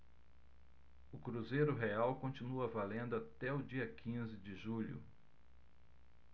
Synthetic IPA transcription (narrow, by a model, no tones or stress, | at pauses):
ʊkɾuzejɾʊɦeawkõnt͡ʃĩnuɐvalẽnd̪ʊat̪ɛʊd͡ʒiɐkʰĩzɪd͡ʒɪʒuʎʊ̰